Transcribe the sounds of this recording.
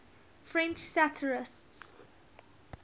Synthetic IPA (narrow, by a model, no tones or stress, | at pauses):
fɹɛ̃nt͡ʃsatʰəɹɪsts